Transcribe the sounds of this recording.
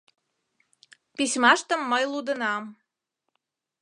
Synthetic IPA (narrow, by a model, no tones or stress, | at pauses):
pisʲmɑʃt̪ə̆mːəjlud̪ə̆nɑm